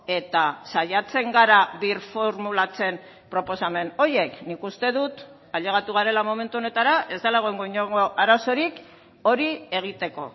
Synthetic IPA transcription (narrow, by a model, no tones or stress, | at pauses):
e̞t̪asajat͡se̞ŋɡaɾaβiɾfo̞ɾmulat͡se̞m | pɾo̞po̞same̞no̞je̞knikust̪e̞ðut̪ | aʎe̞ɣ̞at̪uɣaɾe̞lamo̞me̞nt̪uo̞ne̞t̪aɾaʔe̞zd̪alaɣ̞o̞eŋɡoiɲoŋo̞ʔaɾaso̞ɾik | o̞ɾie̞ɣ̞it̪e̞ko̞